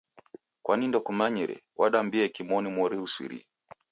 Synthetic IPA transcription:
kwanindɔkumaɲiɾɛ̰waɗambiɛkimɔnimɔɾiuswḭɾḭ

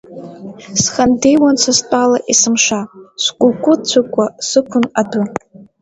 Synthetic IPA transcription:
sχandejwant͡ʃʷʰastʼalaʔisɨmʂaskʷʼʊlkʷʼʊt͡ɕʷʰʊkʷʼasɨkʷʰʊnadu

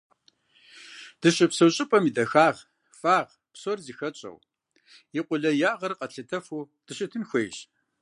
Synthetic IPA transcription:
d̥ɨɕɪpsɐwɕʼɪpʼɐmidɐxaːʁ | faːʁ | psorziːxɐt͡ʃʼɐ̰w | jiqʷʊɮɐjaːʁɐrqɐɬɨtʰɐfuː | d̥ɨɕɪtʰɨnxʷejɕ

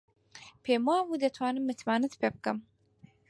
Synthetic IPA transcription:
pʰeːmwaːmud̪ɐt̪ʰwaːnɨmːɨt̪maːnɨt̪pʰeb̚kɨm

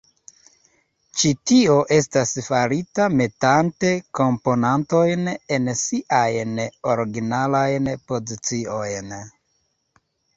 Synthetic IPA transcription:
t͡ʃitio̞ʔe̞s̬tasfaɾitame̞tante̞ko̞mpo̞nanto̞jne̞nsiʔajno̞ɾɡinalajnpo̞zit͡sio̞jn

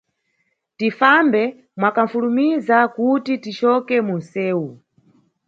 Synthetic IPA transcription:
tifambɛ | mwakaɱ̩fulumizakutitit͡ʃɔkɛmun̩sɛːwu

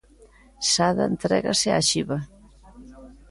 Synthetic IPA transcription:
saða̰ent̪ɾɛ̰ɣa̰sea̰ʃiβa

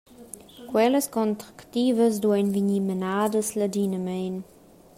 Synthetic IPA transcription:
kwɛləskɔntʁaktiːvəsduəjnvinimənaːdəslədiːnəmeːn

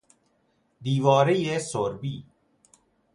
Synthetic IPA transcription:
d̪iːʋaːɾejeːsoːɾbiː

